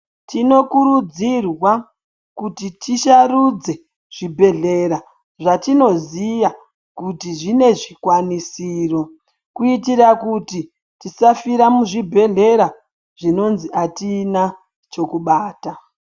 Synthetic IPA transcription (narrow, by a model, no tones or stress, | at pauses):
tino̞kuɾud͡zirwa | kutitiʃarud͡ze̞ | ʐ̥ibʱe̞ɮe̞ɾa | ʐatino̞ziʋa | kutiʐine̞ʐikwanisiːro̞ | kuitiɾakuti | tisafiɾamuʐibʱe̞ɮe̞ɾa | ʐ̥ino̞nziʔatiːna | t͡ʃo̞kuɓaːta